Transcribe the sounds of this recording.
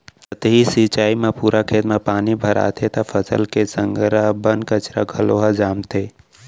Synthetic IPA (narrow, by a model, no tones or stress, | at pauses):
ət̪eɦisit͡ʃaːimẽpuːɾakʰeːt̪mẽpaːnibʱəɾa̰ːt̪ʰet̪afʰəsə̰lkesə̃ŋɡɾabənkət͡ʃɾa̰ɡʱəloːɦad͡ʒaːmt̪ʰeː